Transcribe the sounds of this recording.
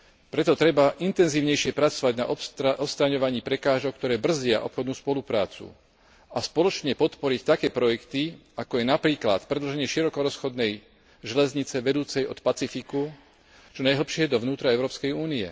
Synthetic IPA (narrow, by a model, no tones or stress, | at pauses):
pɾɛt̪ɔt̪ɾɛbaʔint̪ɛnziːʊɲɛjʃɪɛpɾat͡sɔʋaɟna̰ʔɔʔɔst̪ɾaɲɔʋaɲiːpɾɛkaːʒɔk̚t̪ɔɾɛːbr̩zɪaʔɔpxɔd̪nuːspɔlupɾa̰ːt͡sṵ | aspɔlɔt͡ʃɲɛpɔt̪pɔɾict̪akɛːpɾɔjɛkt̪iakɔjɛnapɾiːkla̰t̪pɾɛd̪lɔʒɛɲɪɛʃiɾɔkɔɾɔsxɔd̪nɛj | ʒɛlɛzɲit͡sɛʋɛd̪uːt͡sɛjɔt̪pat͡sifiku | t͡ʃɔnajɦl̩pʃɪɛjɛd̪ɔʋnuːt̪ɾaɛʊɾɔːpskɛjuːniɛ